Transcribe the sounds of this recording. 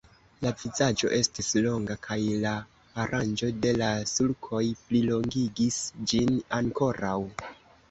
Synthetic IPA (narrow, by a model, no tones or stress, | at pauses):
lavizad͡ʒo̞̰ʔe̞stislo̞ŋɡakʰajlaː | ɾʔand͡ʒo̞de̞lasulkʰo̞jplilo̞ŋɡiɡisd͡ʒinaŋko̞ɾaw